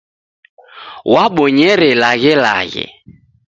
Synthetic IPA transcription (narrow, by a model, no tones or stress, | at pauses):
waɓɔɲɛɾɛlaɣɪla̰ɣɪ̰